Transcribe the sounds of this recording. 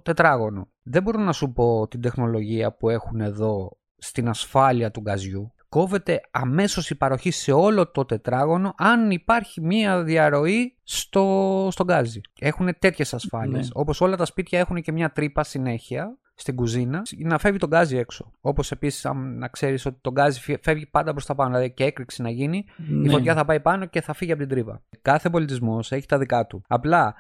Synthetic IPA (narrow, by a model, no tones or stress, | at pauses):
t̪e̞t̪ɾɐɣo̞no̞ | ðebo̞ɾonɐsupo̞t̪ind̪e̞xno̞lo̞ʝiɐpue̞xune̞ðo̞ | st̪inɐsfɐliɐt̪uɡɐzʝuko̞ve̞t̪e̞ɐme̞so̞sipɐɾo̞çise̞o̞lo̞t̪o̞t̪e̞t̪ɾɐɣo̞no̞ʔɐnipɐɾçimiɐðiɐɾo̞ist̪o̞st̪o̞ɡɐzie̞xune̞t̪e̞t̪çe̞sɐsfɐlieso̞po̞so̞lɐt̪ɐspit̪çɐexunece̞mɲɐt̪ɾipɐsine̞çiɐ | st̪iɡuzinɐnɐfe̞vʝit̪o̞ɡɐzie̞kso̞o̞po̞se̞pisi̥sɐ̰nnɐkse̞ɾiso̞t̪i̥t̪o̞ɡɐziffe̞vʝipɐnd̪ɐpɾo̞st̪ɐpɐnoilɐðiceekɾiksinɐʝiniifo̞t̪çɐθɐpɐipɐno̞ce̞θɐfiʝiɐpot̪ind̪ɾipɐ̰kɐθe̞po̞lit̪izmo̞se̞çi̥t̪ɐðikɐt̪uɐplɐ